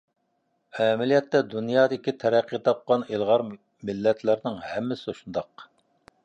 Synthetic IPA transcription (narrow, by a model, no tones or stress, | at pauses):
ɛmɪlijɛt̪ːɛd̪unjɑːd̪ɪkʲit̪ʰɛɾæqʰːit̪ʰɑp̚qɑnelˠʁɑɾ | mɪlːɛt̪ʰlɪɾnɪŋhɛmːɪsɪuʃund̪ɑq